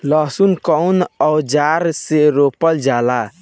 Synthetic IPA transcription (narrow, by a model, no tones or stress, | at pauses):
lɔsunkɔwnɔwd͡ʒaɾseɾopəld͡ʒala